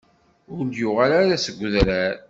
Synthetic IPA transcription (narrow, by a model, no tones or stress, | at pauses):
ʊɾnd̪jʊʁalaɾasəɡʷːðɾæɾ